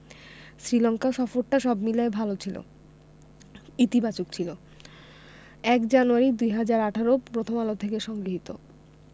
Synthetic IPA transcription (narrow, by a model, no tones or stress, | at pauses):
sɾilɔŋkaʃɔfoɾʈaʃɔbmilaebʱalot͡ɕʰilo̰ | it̪ibat͡ɕok̚t͡ɕʰilo | ɛkd͡ʑanuaɾid̪ujɦad͡ʑaɾaʈʰaɾopɾot̪ʰomalot̪ʰekeʃɔŋɡɾiɦit̪o̰